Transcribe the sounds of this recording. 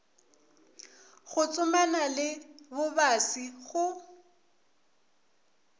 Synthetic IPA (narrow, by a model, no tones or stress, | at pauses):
ɣʊt͡sʼʊmanalɪbʊbasiɣʊ